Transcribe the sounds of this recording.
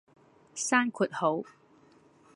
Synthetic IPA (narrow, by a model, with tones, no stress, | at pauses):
saː˥nkʰu˨˩t̚ho˨˥w